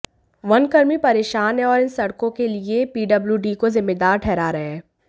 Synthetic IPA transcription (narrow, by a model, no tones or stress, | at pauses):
ʋɐnkɐɾmipɐɾeːʃaːnẽɔːɾɪnsɐɽkõkeliepiːɖɐbljuɖiːkozɪmːeːd̪aːɾʈʰɛːɾaɾɐɦɛ̃ː